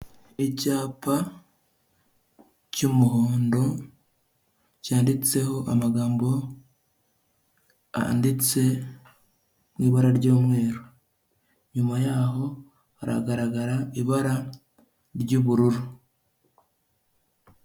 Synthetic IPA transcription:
icaːpa | cumuɦoːndo̞ | caːndit͡se̞ɦo̞ʔamaɡaːmbo̞ | a̰ndit͡se̞ | mwiːβaɾaɾɟoːmŋe̞ːɾo | ɲumajaːɦo̞ | haɾa̰ɡaɾaɡaɾaiβaɾa | ɾɟuβuɾuɾu

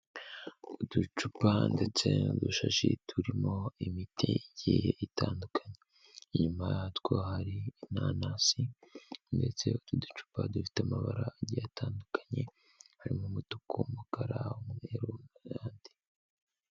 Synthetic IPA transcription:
udut͡ʃupande̞t͡se̞uduʃaʃitʰuɾimo̞imitʰeiɟejeitʰaːndukʰaɲe̞ | ɲumajtwo̞haɾinanasinde̞t͡se̞ut̪udu̥t͡ʃu̥padufi̥tamaβaɾaːɟijataːndukḁɲe̞ | haɾimomotukʰomukaɾaumeɾojaːndi̥

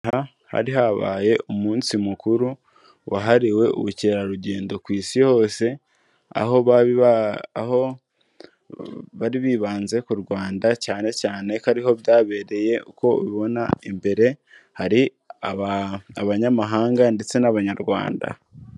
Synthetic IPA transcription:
ha | ha̰ɾiɦaβa̰ːje̞ʔumuːnsimukuɾu | wʔaɦaɾiwe̞ṵβuciɾaɾuɟe̞ːndo̞kwiːsiho̞ːse̞ | a̰ɦo̞βaβi | ho | βaɾiβiːβaːnze̞kuɾɡwaːndacaːne̞caːne̞kaɾiho̞βjaːβe̞ːɾe̞je̞uko̞βiβo̞na̰imbe̞ɾe̞ | haɾi | aβaaβaɲamaɦaːŋɡande̞t͡senaβaɲaɾɡwa̰ːnda̰

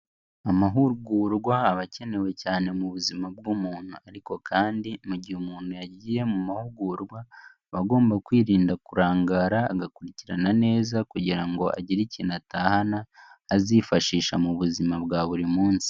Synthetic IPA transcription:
amaɦuɾɡuːɾɡwaːβace̞ne̞we̞caːne̞muβuzimab̚ɡumuːn̥huaɾiko̞kʰaːndimuɟihumuːn̥hujaɟiːje̞mumahuɾɡuːɾɡwa | βaɡo̞ːmbakwiːɾiːndakuɾaːŋɡaːɾaːɡakuɾiciɾanane̞ːzakuɟiɾaŋɡo̞ʔa̰ɟiɾiciːnataːhanaːzifaʃiːʃamuβuzimabɡaːβuɾimuːnsi̥

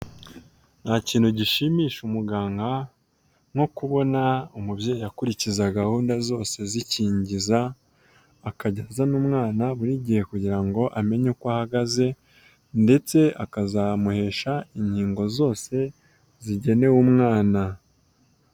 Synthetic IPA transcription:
n̥haciːnhuɟiʃimiːʃumuɡaːŋɡa | ŋho̞kuβo̞naumubje̞ːjijakuɾicizaɡahuːndazo̞ːse̞ziciːɲɟizaː | kaɟazanuːmŋaːnaβuɾiɟihe̞kuɟiɾaŋɡo̞ʔame̞ɲukwahaɡaze̞ | nde̞t͡se̞ʔakazamuhe̞ːʃaiɲhiːŋɡo̞zo̞ːse̞ | ziɟe̞ne̞wumŋaːna

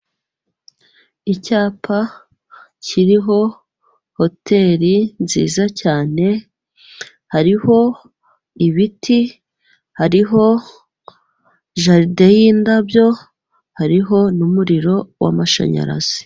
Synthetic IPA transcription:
icaːpʰa | cʰiɾiɦo̞ | hotʰe̞ɾinzḭːzacaːne̞ | haɾiɦo̞ | iβitʰi | haɾiɦo̞ | ʒaɾdejindabjo̞ | haɾiɦo̞numuɾiɾo̞wa̰maʃa̰ɲa̰ɾa̰z̥i̥

